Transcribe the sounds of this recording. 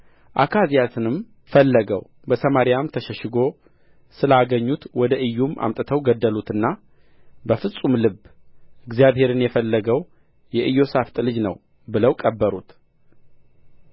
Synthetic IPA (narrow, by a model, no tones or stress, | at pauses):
ʔakʰazijat̪ʰɨnɨm | fəlːəɡəw | bəsəmaɾijamt̪ʰəʃəʃɪɡo̞ | sɨlaɡəɲːut̪wɔd̪əʔɨjːumʔa̰mt̪ʼət̪ʰəwɡəd̪ːəlut̪ɨnːa | bəfɨsʼumlɨbɨɡzijaβhe̞ɾɨnjɛfəlːəɡəw | jɛʔɨjːo̞saft̪ʼɨlɨd͡ʒnə̰w | bɨləwkʼəbːəɾut̪